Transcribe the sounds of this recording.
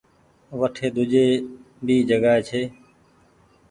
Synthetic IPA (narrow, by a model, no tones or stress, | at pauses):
ʋəʈʰeːd̪ʊd͡ʒeː | biːd͡ʒəɡaːeːt͡ʃʰeː